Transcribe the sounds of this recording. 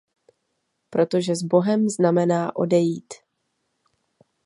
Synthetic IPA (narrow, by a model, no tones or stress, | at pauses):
pɾo̞t̪o̞ʒɛzbo̞ɦɛmznamɛnaːʔo̞̰dɛjiːt̪